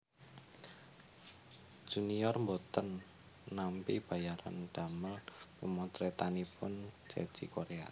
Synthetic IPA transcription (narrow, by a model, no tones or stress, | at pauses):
d͡ʒ̥ṳnijɔrmbot̪ənː | ampib̥a̤jaɾa̰nd̪̥a̤məlpumɔt̪ɾet̪anipʊnt͡ʃɛ̰d̥d͡ʒ̥ikoɾea̰